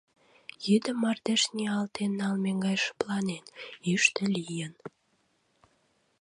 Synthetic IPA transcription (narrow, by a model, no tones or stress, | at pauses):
jyd̪ə̆mːɑrd̪eʃnʲiɑlt̪enːɑlmeŋɡɑjʃə̥plɑnenyʃt̪ə̆lʲijən